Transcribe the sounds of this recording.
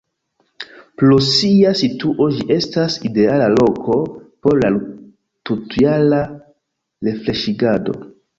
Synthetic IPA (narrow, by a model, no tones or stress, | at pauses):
plosiasituʔo̞d͡ʒiʔe̞staside̞alalo̞ko̞po̞ɾlal | tutuala | ɾe̞fle̞ʃiɡado̞̰